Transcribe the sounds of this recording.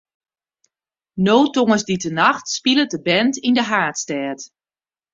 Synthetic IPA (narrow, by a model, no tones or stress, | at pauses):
noːtoŋəsditənaxtspilət̚dəbɛntindəɦaːtstɛːt